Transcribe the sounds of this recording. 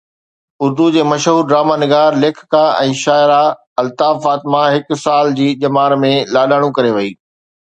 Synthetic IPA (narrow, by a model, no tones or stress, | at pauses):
ʊɾd̪ud͡ʑeːmɐʃɦuːɾɖɾaːmaːnɪɡaːɾleːkʰkãɛ̰̃ːʃaːɪɾa | ɐlt̪aːfaːt̪ɪmãɦɪksaːld͡ʑiːʄɐmaːɾmẽlaːɗaːɽ̃ũkɐɾeʋɐiː